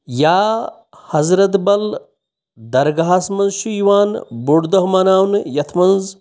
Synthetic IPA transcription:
jaː | hɐzɾɐt̪bɐl | d̪ɐɾɡɐɦasmɐnzʃujwaːnbuɽd̪ɐɦmaːnaːwnjɐt̪ʰmɐnz

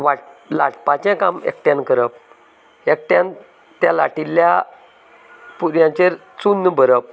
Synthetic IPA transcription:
ʋaʈ̚la̰ʈpat͡ɕɛ̃kamḛkʈjãnkəɾəp̚ | ek̚ʈjãn | t̪jalaʈilːja | puɾjãt͡ɕeɾ | t͡sunːbʱəɾəp̚

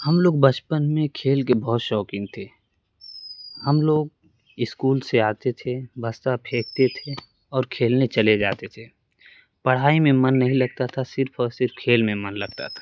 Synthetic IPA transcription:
həmloːɡ̚bət͡ʃpənmẽkʰeːlk̬ebɔɦːt̪ʃɔːkɪ̃ŋɡ̚t̪ʰe | həmloːɡ̚ | ɪskuːlseaːt̪et̪ʰebəst̪apʰeːk̚t̪et̪ʰe | ɔːɾkʰeːlnet͡ʃəled͡ʒaːt̪et̪ʰeː | pɐɽ̤aːimẽmənːɐɦĩlɐɡ̚t̪at̪ʰasɪɾpʰsɪɾpkʰeːlmẽmənləɡ̚t̪a̰t̪ʰḁː

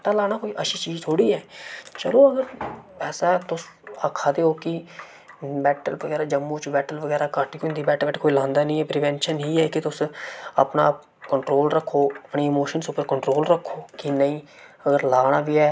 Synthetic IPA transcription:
ʈaːlaːɽ̃aːkoːiːʔəʃʰiːt͡ʃiːd͡ʒt̪ʰoːɽiːɛːt͡ʃəloːəɡəɾpɛːsaːɦɛːt̪ʊs | əkʰːaːd̪eːoːkɪ | bɛːʈəlʋəɡɛːɾaːd͡ʒəmːõːt͡ʃbɛːʈəlʋəɡɛːɾaːkaːʈiːɦʊ̃ːnd̪iːbɛːʈəɛːʈːkoːilãːnd̪aːnəĩːɛpɾɪʋɛ̃ːnʃənɦiːɛːkɪt̪ʊsə̰pna̰ːp | kəɳʈɾoːlɾəkʰːoːəpɳeːɪmoːʃənsʊpəɾkəɳʈɾoːlɾəkʰːoːkɪnəĩː | əɡəɾlaːɽ̃aːʋiːɛː

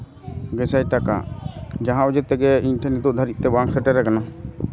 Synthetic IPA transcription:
ɡɛsajʈaka̰d͡ʒaɦãud͡ʒɛt̪ɛɡɛiɲʈʰɛnit̪uʔd̪ʱaɾiʔ̪̚t̪ɛbaŋksɛʈɛɾɛkana

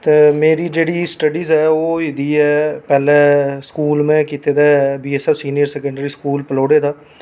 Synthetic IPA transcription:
t̪eːmeːɾiːd͡ʒeːɽiːsʈəɖiːzɛːoːɪd̪iːɛːpɛːlɛːskuːlmẽːkiːt̪eːd̪aːbiːɛːsɛːfsiːnijəɾsɛːkəɳɖɾiːskuːlpəloːɽeːd̪aː

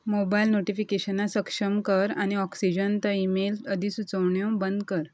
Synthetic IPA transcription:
mobailnoʈifikeɕənasəkʂəmkəɾañiɔksid͡ʑənt̪əimeləd̪ʱisut͡səwɳjɔ̃bənd̪̚kəɾ

